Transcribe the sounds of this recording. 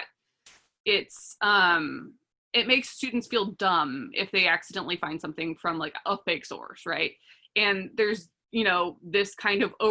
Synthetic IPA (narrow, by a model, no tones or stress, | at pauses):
t̚ | ɪtsʔʌ̃m | ɨt̚meɪkstʉdⁿn̩tsfilˠdʌ̃mɪ̰fðeɪæksɨdɛ̃nʔlifãɪ̃n̥sʌ̃mθɪ̃ŋfɹʌ̃mlaɪkʌbeɪksɔ̰ɹsɹaɪt̚ | ɨ̃nðə˞z | jɨñoʊðɪskʰãɪ̃ndʌvoʊ